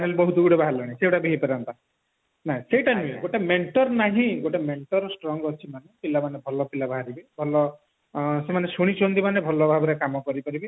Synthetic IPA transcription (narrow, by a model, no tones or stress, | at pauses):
nelbɔɦut̪uɡuɽebʱaɦalɔɽ̃ĩsewʈabʱiɦipeɾɔnt̪a | naɦĩseʈanueɡoʈemeɳʈɔɾnaɦĩɡoʈemeɳʈɔɾsʈɾɔŋɡɔt͡ʃʰimanepilamanebʱɔlɔpilabaɦaɾibibʱɔlɔ | semanesuɽ̃it͡ʃʰɔnt̪imanebʱɔlɔbʱabɔɾekamɔkɔɾipaɾibi